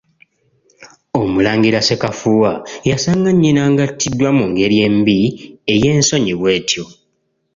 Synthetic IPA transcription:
o̞mulaːŋɡiɾase̞kafuːwajasaŋɡaɲːinaŋɡatʰːidːwamuŋɡe̞ɾje̞mbie̞je̞ːnso̞ɲiβwe̞ːtʰjo̞

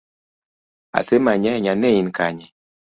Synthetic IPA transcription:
a̰semaɲɛɲanɛjinkaɲɛ

